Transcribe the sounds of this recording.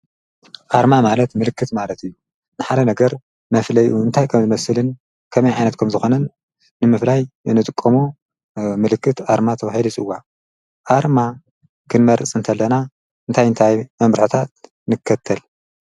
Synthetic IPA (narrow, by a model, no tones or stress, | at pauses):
ʔaɾmamalɐt̪mɨlɨkːɨt̪malɐt̪ɨjːu | nɨħad̪ɐnɐɡɐɾ | mɐflɐjʔuɨnt̪ʰajkʰɐmzɨmɐsɨlɨn | kʰɐmɐjʕajnɐt̪kʰɐmzɨxo̞nɐnː | ɨmɨflajnɨt̪ʼɨkʼːɐmu | mɨlɨkːɨt̪aɾmat̪ʰɐβahilit͡sʼɨwːa | ʔaɾma | kʰɨnmɐɾɨt͡sʼɨnt̪ʰɐlːɐna | ɨnt̪ʰajɨnt̪ʰajmɐmɾħot̪ʰat̪ | nɨkʰːɐt̪ʰːɐl